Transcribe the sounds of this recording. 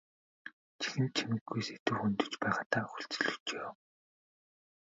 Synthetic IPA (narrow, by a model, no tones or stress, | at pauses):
t͡ɕʰi̥xɘ̆nt̪̚t͡ɕʰimɘ̆ɡːujset̪ɘ̆wxunt̪ɵ̥̆t͡ɕpæːʁaːt̪aːxu̥ɬt͡sɵ̆ɮɵ̆t͡ɕeː